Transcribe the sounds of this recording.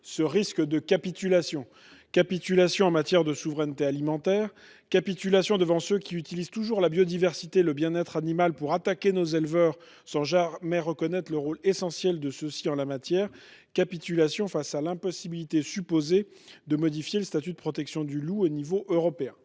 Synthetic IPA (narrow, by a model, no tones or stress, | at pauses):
səʁiskd̪əkʲapit̪ylasjɔ̃ | kapit̪ylasjɔ̃ɑ̃mat̪jɛʁd̪əsuvʁɛnt̪ealimɑ̃t̪ɛːʁ | kapit̪ylasjɔ̃d̪əvɑ̃søkʲiyt̪ilizt̪uʒuʁlabjod̪ivɛʁsit̪eləbjɛ̃nɛt̪χanimalpuʁat̪akʲenozelvœʁ | sɑ̃ʒamɛʁəkɔnɛt̪χləʁolesɑ̃sjɛld̪əsəsiɑ̃lamat̪jɛʁkapit̪ylasjɔ̃fasalɛ̃pɔsibilit̪esypoze | d̪əmɔd̪ifjeləst̪at̪yd̪əpχɔt̪ɛksjɔ̃d̪yluonivoʔøʁɔpeɛ̃